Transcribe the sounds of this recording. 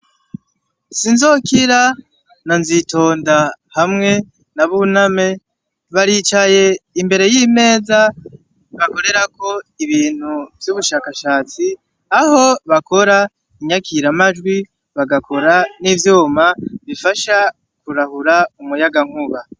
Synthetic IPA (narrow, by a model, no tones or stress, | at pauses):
sinzo̞kiɾa | nanzito̞ːndahamŋe̞ | naβuname̞ | βaɾiːt͡ʃaje̞imbe̞ɾe̞jime̞ːza | βako̞ɾe̞ɾakʰo̞iβiːn̥huvjuβuʃaːkaʃaːt͡si | aho̞βako̞ɾa | iɲakʰiɾamad͡ʒɡwi | βaɡakʰo̞ɾanivjoːmaβifaʃa | kuɾahuɾaumujaɡaŋ̥huβa